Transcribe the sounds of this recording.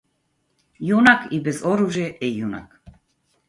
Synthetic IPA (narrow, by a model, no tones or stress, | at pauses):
junakʰibɛzɔɾuʒjɛʔɛjuna̰k